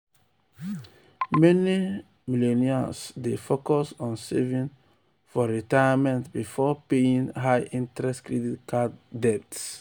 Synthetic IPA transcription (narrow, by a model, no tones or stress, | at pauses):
mɛni | mileniasdefokɔsɔ̃nsɛvĩn | fɔɹitajamɛ̃ntbifɔpeĩŋɦaɪʔĩntɹɛstkɹɛditkʰaddɛp̚ts